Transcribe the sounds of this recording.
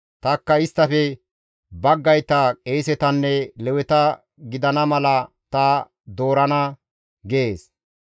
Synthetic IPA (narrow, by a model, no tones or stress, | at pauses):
t̪ɐkːɐɪst̪ːɐfɛ | bɐɡːɐjt̪ɐkʼeːjsɛt̪ɐnːɛlɛwɛt̪ɐ | ɡɪd̪ɐnɐmɐlɐ | t̪ɐː | d̪o̞ːɾɐnɐ | ɡeːs